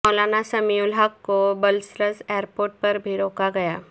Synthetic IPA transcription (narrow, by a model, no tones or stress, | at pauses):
ɔːlaːnasɐmiʊlɦaːkːobɐlsɾəzeːəɾpoːɾʈ̚pɐɾbʱiɾoːkaɡɐjaː